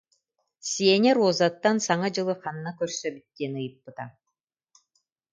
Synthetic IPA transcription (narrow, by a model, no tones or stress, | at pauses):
siɛnʲɛɾuɔzat̪ːansaŋad͡ʑɯlˠɯχanːakœɾsœbit̪ːiɛnɯjɯpːɯt̪a